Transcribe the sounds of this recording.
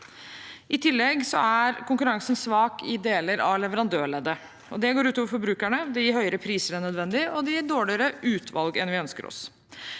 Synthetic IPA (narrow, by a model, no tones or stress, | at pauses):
ʔɪt̪ʰɪlːɛɡsɔ̰æɾkʰʊŋkʉɾɑŋsən̩sʋɑːkʰɪd̪eːləɾʔɑʋlɛʋəɾɑnd̪øːɭɛd̪ə | ɔd̪ɛɡoːɾʉːt̪ɔːʋəɾfɔɾbɾʉːkæɳəd̪ɛjiːɾhœʏəɾəpʰɾiːsəɾænœd̪ʋɛnd̪ɪɔd̪ɛjiːɖoːɭɪəɾəʔʉːt̪ʰʋɑ̰lɡɛnʋɪœnskə̰ɾɔ̰s